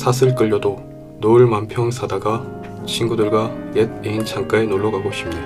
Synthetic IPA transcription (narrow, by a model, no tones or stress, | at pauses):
sʰasʰɯɭk͈ɯʎːʌdo | noɯɭmampʰjʌŋsʰadaɡa | t͡ɕʰinɡudɯɭɡwajed̚eint͡ɕʰaŋk͈aenoɭːʌɡaɡoɕʰimɲida